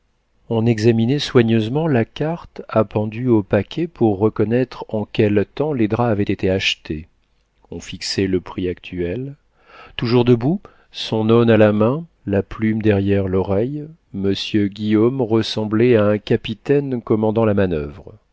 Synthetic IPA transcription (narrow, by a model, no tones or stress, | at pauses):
ɔ̃nɛɡzaminɛswaɲøzmɑ̃lakaʁt̪apɑ̃d̪yopakʲʰɛpʰuʁːəkɔnɛt̪χɑ̃kʲɛlt̪ɑ̃led̪ʁaːvɛt̪et̪eaʃt̪ʰe | ɔ̃fiksɛləpχiak̚t̪ʰyɛl | t̪uʒuʁd̪əbu | sɔ̃nɔnalamɛ̃ | laplymd̪ɛʁjɛʁlɔʁɛj | məsjøɡʲiɔmʁəsɑ̃blɛaɛ̃kʲapit̪ɛnkɔmɑ̃d̪ɑ̃lamanœvʁ